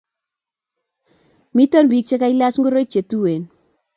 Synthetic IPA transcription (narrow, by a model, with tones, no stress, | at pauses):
mi˦tɔ˦nbi˨˦k̚t͡ʃe˦ka˦i˦la˦t͡ʃŋɡo˦ɾo˦k̚t͡ʃe˨tu˦we˨n